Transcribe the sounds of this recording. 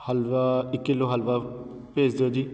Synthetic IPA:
həlʋaɪkːɪlːoːɦəlʋaː | peːd͡ʒd̪eoːd͡ʒiː

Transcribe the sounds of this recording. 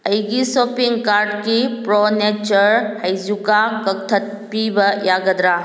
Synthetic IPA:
əjɡisɔpiŋɡkaɾɖkipɾɔnet͡ʃəɾhəjzukakək̚t̪ʰət̪̚ | pibəjaɡəd̪ɾa

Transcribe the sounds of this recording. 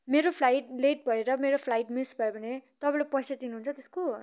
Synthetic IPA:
meɾopʰlajʈleʈ̚bʱʌeɾʌmeɾopʰlajʈmisbʱʌebʱʌnet̪ʌpãlepʌjsad̪inuɦunt͡sʰʌt̪esko

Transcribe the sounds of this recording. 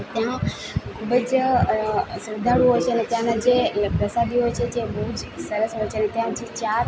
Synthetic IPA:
t̪jã | kʰubəd͡ʒ | sɾd̪ʱaɽũɦojʃeənet̪jãnad͡ʒepɾəsad̪iɦot͡ʃʰed͡ʒebəɦud͡ʒsəɾəsɦojt͡ʃʰenet̪jãt̪ʰit͡ʃaɾ

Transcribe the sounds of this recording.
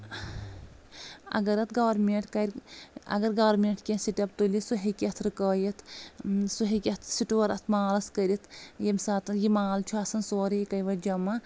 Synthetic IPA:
ɐ̰ɡɐɾɐt̪ɡaʋɐɾmeɳʈkɐɾʲɐ̰ɡɐɾɡaːɾmeɳʈkʲẽnsiʈʲɐp̚t̪ulisuɦikʲɐt̪ʰɾɨkəːjɐt̪ʰsuɦikʲɐt̪ʰsiʈuɐɾɐt̪ʰmaːlɐskɐɾʲit̪ʰjɐmsaːt̪ɐnjimaːlt͡ʃʰuɐsɐnsoːɾɐjikɐjʋɐd͡ʒɐmɐ

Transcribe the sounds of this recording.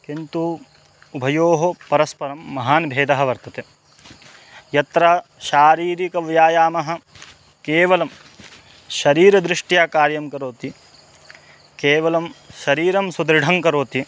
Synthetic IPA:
kint̪u | ubʱɐjoːɦopɐɾɐspɐɾɐmːɐɦaːnibʱeːd̪ɐɦɐ̆ʋɐɾt̪ɐt̪e | jɐt̪ɾaʃaːɾiːɾikɐʋjaːjaːmɐɦɐ̆ | keːʋɐlɐm | ʃɐɾiːɾɐd̪ɾɪʂʈjaːkaːɾjɐmkɐɾoːt̪i | keːʋɐlɐmʃɐɾiːɾɐmsud̪ɾɪɖʱɐŋkɐɾoːt̪i

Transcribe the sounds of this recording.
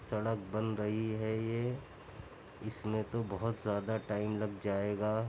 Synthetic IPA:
sɐɽək̚bɐnɾɐɦiɦɛje | ɪsmẽt̪obɐɦʊt̪zjaːd̪aʈaːɪmlɐɡd͡ʒaːeːɡaː

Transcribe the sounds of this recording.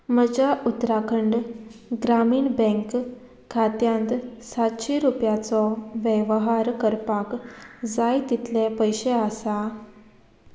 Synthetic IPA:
məd͡ʑaʔut̪ɾakʰəɳɖɡɾamiːɳbɛ̃ŋk | kʰːat̪jãnt̪sat̪ɕeɾupjat͡sɔʋɛʋɦaɾkəɾpakd͡zajt̪it̪ʰlepəjɕeasa

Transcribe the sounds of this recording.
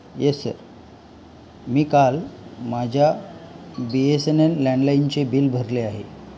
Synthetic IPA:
jesə̰ɾ | miːkalmad͡ʑʱja | biesenenːãɳɖlaint͡sebiːlbʱəɾleaɦḛ

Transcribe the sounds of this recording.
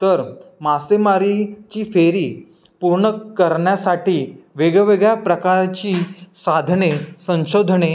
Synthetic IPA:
t̪əɾmasemaɾit͡ɕiːfeɾiː | puɾɳəkəɾɳjasaʈiːʋeɡʋeɡɭjapɾəkaɾt͡ɕiːsad̪ʱnesə̃ɕod̪ʱɳe

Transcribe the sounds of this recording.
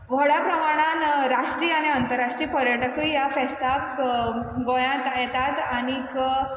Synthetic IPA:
ʋɔɽjapɾəmaɽ̃anɾaʂʈɾiːaɽ̃iənt̪əɾːaʂʈɾiːpəɾjəʈəkijafɛst̪ak | ɡojãt̪jɛt̪at̪aɽ̃ik

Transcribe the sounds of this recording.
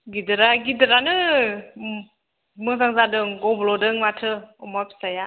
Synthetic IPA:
ɡidɯɾaɡidɯɾanɯ | mɯzaŋzadɯŋɡɔblɔdɯŋmatʰɯɔmapʰi̥saja

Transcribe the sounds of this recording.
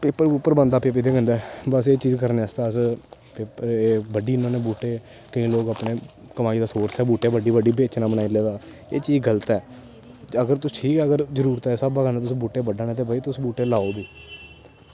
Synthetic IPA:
peːpːəɾupːəɾbə̃nd̪aːpeːp̬ɪt̪eːkə̃nd̪ɛːbəseːt͡ʃiːzkəɾneːəst̪aːspeːpəɾeːbəɖiːɪnõːneːbuːʈeː | kəĩːloːkapneː | kəmaːiːd̪aːsoːɾsɛːbuːʈeːbəɖiːʋəɖiːbeːt͡ʃnãːbənaːileːd̪aː | eːt͡ʃiːzɡələt̪ɛː | əɡəɾt̪ʊsʈʰiːkɛːəɡəɾzəɾuːɾt̪ɛːsəbaːkənãːt̪ʊsːbuːʈeːbəɖaːneːt̪eːbaːiːt̪ʊsbuːʈeːlaːoːbiː

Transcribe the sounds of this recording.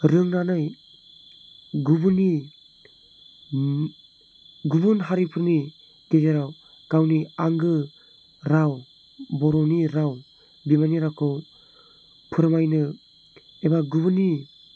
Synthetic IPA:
ɾɯŋnanɯj | ɡubɯni | ɡubunɦaɾipʰɯɾni | ted͡ʒeɾaw | kawniaŋɡɯ | ɾaw | bɔɾɔniɾaw | bimaniɾakɯw | pʰɯɾmajnɯ | ebaɡubuni

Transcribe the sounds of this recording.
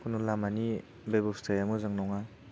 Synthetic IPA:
kunulamani | bebɔwstajamuzaŋnɔŋa

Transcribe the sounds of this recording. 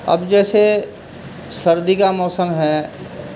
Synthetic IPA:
ɐ̰bd͡ʒɛːse | sɐɾd̪ikamɔːsəmɦɛː

